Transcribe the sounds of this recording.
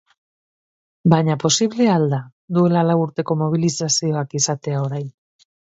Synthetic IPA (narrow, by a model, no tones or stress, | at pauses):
baɲapo̞siβle̞ald̪a | d̪ue̞lalawuɾt̪e̞ko̞mo̞β̞ilisasio̞akisat̪e̞ao̞ɾajn